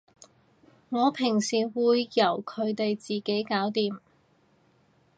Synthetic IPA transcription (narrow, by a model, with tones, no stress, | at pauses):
ŋɔː˨˧pʰɪ˨˩ŋsiː˨˩wuː˨˧jːɐ˨˩wkʰɵ˨˧ɥt̪e˨jt͡siː˨ke˨˥jkaː˨˥wt̪iː˨m